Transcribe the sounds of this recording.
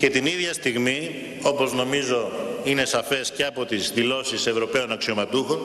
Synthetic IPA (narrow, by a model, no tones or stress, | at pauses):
ce̞t̪iniðʝɐst̪iɣmi | o̞pozno̞mizo̞ine̞sɐfe̞sce̞ɐpo̞t̪izðilo̞sise̞vɾo̞pe̞o̞nɐksio̞mɐt̪uxo̞